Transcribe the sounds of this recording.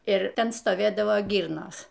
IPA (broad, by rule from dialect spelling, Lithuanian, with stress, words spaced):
ɪr ˈtʲɛn stoːˈʋʲeːdɐʋoː ˈɡʲiːrnoːs